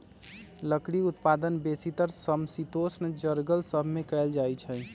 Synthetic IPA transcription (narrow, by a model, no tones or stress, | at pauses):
ləkɽiut̪pad̪ənbesit̪əɾsəmsit̪osnd͡ʒəɾɡəlsəbʱmekɛld͡ʒajt͡ʃʰɛ